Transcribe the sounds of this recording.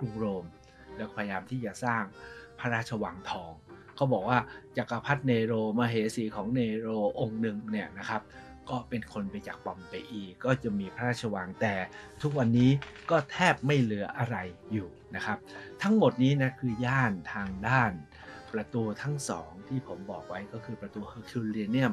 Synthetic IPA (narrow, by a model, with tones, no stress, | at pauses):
u˧˩ŋɾoː˧m | lɛ˦˥kːpʰaː˧ja˧jaː˧mt̪ʰiː˥˩t͡ɕa˨˩saː˥˩ŋpʰa˦˥ɾaː˥˩t̪̚t͡ɕʰa˧wa˨˧˦ŋt̪ʰɔː˩˦ŋ | kʰa˦˥wbɔː˨˩k̚waː˥˩t͡ɕa˨˩ka˧pʰa˦˥t̪̚neː˧ɾoː˧maː˧ɦeː˩˦siː˩˦kʰɔː˩˦ŋneː˧ɾoː˧ʔo˧ŋnɯ˨˩ŋni˥˩ɐna˦˥kʰa˦˥p̚ | kɔː˥˩pe˧nkʰo˧npa˧jt͡ɕaː˨˩k̚pɔ˧mpa˧jʔiː˨˩kːɔː˥˩t͡ɕa˨˩miː˧pʰa˦˧ɾaː˥˩t̪̚t͡ɕʰa˧wa˨˦ŋt̪ɛː˨˩t̪ʰu˦˥k̚wa˧nːiː˦˥kɔː˥˩t̪ʰɛː˥˩p̚ma˥˩jlɯ˩˦ɐʔa˧ɾa˧jːuː˨˩na˦˥kʰa˦˥p̚t̪ʰa˦˥ŋmo˨˩t̪̚niː˦˥na˦˥kʰɯː˧jaː˥˩nt̪ʰaː˧ŋdaː˥˩n | pɾa˧t̪uː˧t̪ʰa˦˥ŋsɔ̰ː˩˦ŋt̪ʰiː˥˩pʰo˩˦mbɔː˨˩k̚wa˦˥jkɔː˥˩kʰɯː˧pɾa˧t̪uː˧hɤː˧kʰi˧li˧ni˥˩əm